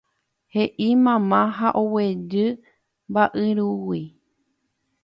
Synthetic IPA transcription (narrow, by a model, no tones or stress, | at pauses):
heʔimãmãɦaʔowed͡ʒɨ | mbaʔɨɾuwi